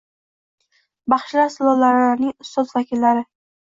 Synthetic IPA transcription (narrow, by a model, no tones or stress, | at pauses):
bɑχʃlasɪlˠɒlːaɾaɾnɪŋʊst̪ɒzvakʲʰɪlːaɾɪ